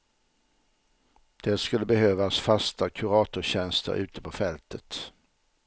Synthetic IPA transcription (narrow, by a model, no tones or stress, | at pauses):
d̪̥ɛskɵlːəbɛhøːvasfast̪akʰɵɾɑːt̪ʊɕɛnst̪ə̰ɾʔʉ̟ːt̪əpʰɔfɛlt̪ʰət̪